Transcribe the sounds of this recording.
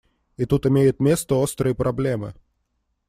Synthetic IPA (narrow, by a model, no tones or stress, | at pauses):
it̪ut̪ɪmʲejʊt̪mʲe̞st̪əost̪ɾɨjəpɾʔɐblʲemɨ̰